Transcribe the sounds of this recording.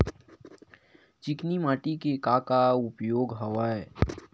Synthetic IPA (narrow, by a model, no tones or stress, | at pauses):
t͡ʃɪknimaːʈikekaːkaʊpjoːɡɦɐʋaːe